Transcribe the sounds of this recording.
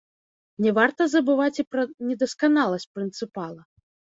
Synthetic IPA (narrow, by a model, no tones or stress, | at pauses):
nʲɛvart̪ɐzɐbɨvat͡sʲipɾɐnʲɛd̪ɐskanalˠɐsʲt͡s̚ʲpɾɨnt̪sɨpalˠɐ